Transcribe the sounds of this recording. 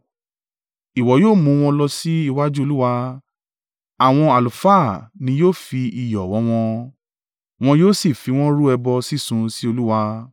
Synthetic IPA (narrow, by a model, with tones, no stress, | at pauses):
i˨wɔ˨joː˦˨mũ˧˦˧w̃ɔ̃˧lɔ˧si˦i˦˧wa˦d͡ʒu˦o˧lu˦wa˧ | a˨w̃ɔ̃˧a˨lu˨faː˦˨nĩ˧joː˦˨fi˧i˨jɔ˨wɔ̃˨˦w̃ɔ̃˧ | w̃ɔ̃˧joː˦si˦˨fi˨˧˦w̃ɔ̃˦ɾu˦ɛ˧bɔ˧si˦˨sũ˧si˦o˧lu˦wa˧